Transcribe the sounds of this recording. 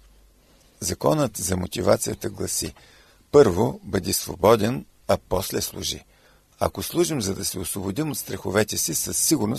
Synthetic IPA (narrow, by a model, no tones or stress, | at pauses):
zɐkɔnət̪zɐmot̪ʲivat̪sijət̪əɡlˠɐsḭ | pɤɾvobəd̪isvo̰bɔd̪ɛn | ɐpɔslɛslˠṵʒḭ | ɐ̰koslˠuʒimzɐd̪ɐsɛosvobod̪imot̪st̪ɾɐxʊvɛt̪ɛsisəsːiɡʊɾno